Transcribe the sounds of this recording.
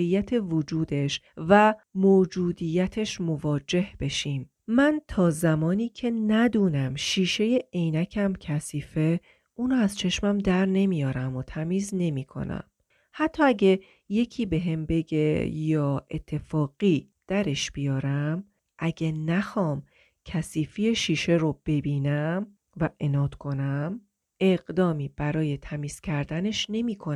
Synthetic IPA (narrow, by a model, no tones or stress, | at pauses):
ejːæt̪ʰe̞vod͡ʒuːd̪e̞ʃ | væmoːd͡ʒuːd̪ijæt̪ʰe̞ʃmo̞vɒːd͡ʒe̞hb̥e̞ʃiːm | mænt̪ʰɒːzæmɒːniːcʰe̞næd̪uːnæmʃiːʃe̞jeejnæcʰæmcʰæsiːfe̞ | uːnoæz̥t͡ʃʰe̞ʃmæmd̪æɾne̞mijɒːɾæmot̪ʰæmiːzne̞miːkʰo̰næ̰m | hæt̪ʰːɒːæɟe | je̞cʰiːbe̞ɦe̞mbe̞ɡejɒːʔet̪ʰːe̞fɒːɣ̥iː | d̪̥æɾe̞ʃb̥ijɒːɾæm | ʔæɟenæxɒːm | cʰæsiːfijeʃiːʃe̞ɾob̥e̞biːnæm | væʔe̞nɒːd̪kʰo̞næm | e̞ɢd̪ɒːmiːb̥æɾɒːje̞t̪ʰæmiːz̥cʰæɾd̪æne̞ʃne̞miːkʰo